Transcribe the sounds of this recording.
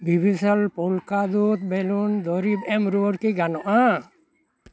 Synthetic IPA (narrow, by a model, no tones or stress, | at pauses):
bʱibʱisɔlpɔlkad̪ut̪̚belund̪ɔɾibɛmɾuɾkiɡanɔʔa